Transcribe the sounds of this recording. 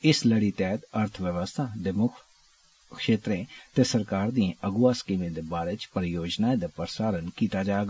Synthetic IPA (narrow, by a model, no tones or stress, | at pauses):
ɪsləɽiːt̪ɛːt̪əɾt̪ʰʋjəʋəst̪ʰaːɖɪmʊkʰ | kʃeːt̪ɾẽːt̪eːsəɾkaːɾd̪iẽʔəɡʊaːskiːmẽːd̪eːbaːɾeːt͡ʃpəɾəjoːd͡ʒnaːẽd̪aːpəɾsaːɾənkiːt̪aːd͡ʒaːɡ